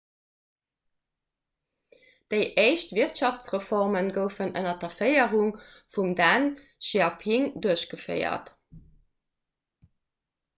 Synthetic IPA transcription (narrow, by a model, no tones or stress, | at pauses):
d̥əɪʔeɪʃtviʁtʃɑft͡sʁəfɔʁmənɡəʊfənʔənɐdɐfɜɪəʁuŋfumdæn | ʃiɑpʰiŋduəɕɡəfə̰ɪɐ̰t